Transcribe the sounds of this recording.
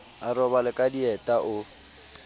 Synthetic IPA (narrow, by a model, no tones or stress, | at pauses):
arɔbalɪkʼadiɛtʼaʔʊ